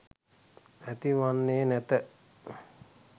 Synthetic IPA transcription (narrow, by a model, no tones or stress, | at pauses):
æt̪iʋanːeːnæt̪ə